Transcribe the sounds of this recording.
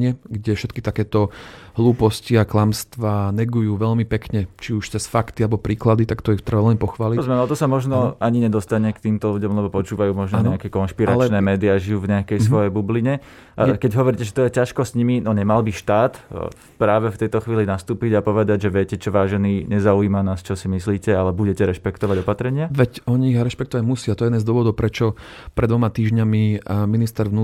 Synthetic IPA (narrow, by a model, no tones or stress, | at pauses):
ɲɪɛɡɟɛfʃɛt̪kit̪akɛːt̪ɔɦluːpɔsciaklamst̪ʋaːnɛɡujuːʋɛʎmipɛkɲɛt͡ʃiuʃt͡sɛsfakt̪ialɛbɔpɾiːklad̪it̪akt̪ɔixt̪r̩ʋalɛnpɔxʋaːlipɔzmɛmalɛt̪ɔsamɔʒnɔaɲiɲɛd̪ɔst̪aɲɛkt̪iːmt̪ɔluɟɔmlɛbɔpɔt͡ʃuːʋajuːmɔʒnɔɲɛakɛːkɔnʃpiɾalt͡ʃnɛːmɛːd̪iaʒijuːvɲɛakɛjsʋʋɔjɛbubliɲɛ | ʔakɛɟɦɔʋɔɾicɛʒɛt̪ɔjɛcaʃkɔsɲiminɔɲɛmalbiʃt̪aːt̪ | pɾaːʋɛft̪ɛjt̪ɔxʋiːlinast̪uːpiɟapɔʋɛd̪aɟʒɛʋɪɛcɛt͡ʃɔʋaːʒɛniːɲɛzauiːmanaːst͡ʃɔsimisliːcɛalɛbuɟɛcɛɾɛʃpɛkt̪ɔʋaɟɔpat̪ɾɛɲɪaʋɛcɔɲiiɣɾɛʃpɛkt̪ɔʋaɟmusɪat̪ɔjɛjɛd̪ɛzd̪ʊɔʋɔd̪ɔʊpɾɛt͡ʃɔ | pɾɛd̪ʋɔmat̪iːʒɲamiminist̪ɛɾʋnu